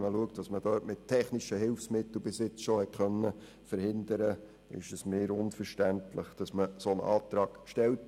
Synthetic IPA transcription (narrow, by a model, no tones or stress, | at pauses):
məluəktd̥ɑsməd̥œːtmɪt̚tʰːɛχniʃəɦɪlfsmɪtl̩bɪsɪt͡sʃohɛt̚χœnːə | fəɾhɪnd̪əɾə | ɪ̰ʃəsmɪːɾʊnfəɾʃtæntləχd̥ɑsməsonʔɑ̰ːt̪ɾɑːkʃtɛlt